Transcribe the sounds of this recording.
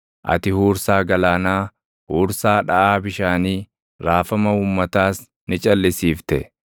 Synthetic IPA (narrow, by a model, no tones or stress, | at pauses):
ʔɐ̰t̪ɪhuːɾsaːɡɐlaːnaː | huːɾsaːᶑɐʔaːbɪʃaːniː | ɾaːfɐmɐuːmːɐt̪aːs | nɪt͡ʃʼɐlːɪsiːft̪ɛ